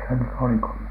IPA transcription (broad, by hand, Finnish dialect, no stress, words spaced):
se nyt oli ko